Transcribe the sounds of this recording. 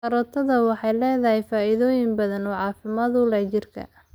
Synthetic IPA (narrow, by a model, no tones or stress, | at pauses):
ɐɾɔːt̪ʰɐðɐwɑħɑjlɛːðɐɦɛjfaːɪðɔːjɪŋbɐðɐnɔːʕɑːfɪmaːd̪ʊlɐt͡ʃɪrkʰɐ̰